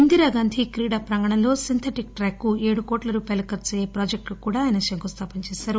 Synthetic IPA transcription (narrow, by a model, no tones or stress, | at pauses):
und̪iɾaːɡaːnd̪ʱikɾiːɽaːpɾɐŋɡɐɳɐlo̞ːsint̪ʰeʈik̚ʈɾaːkːue̞ːɽukoːʈlɐɾuːpaːjlɐkɐɾt͡ʃɛjeːpɾaːd͡ʒek̚ʈukuːɽaːjɐnɐʃɐŋkost̪ʰaːpiɲt͡ʃeːsaːɾu